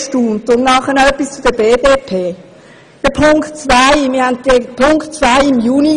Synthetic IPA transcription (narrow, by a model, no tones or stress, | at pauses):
ʃtuːntʊnnɑχənœpːist͡sʊd̥̪əbeːdeːpʰeː | d̥əpʰʊŋktt͡svaɪmɪːɦandɡepʰʊŋktt͡svaɪɪmjuːni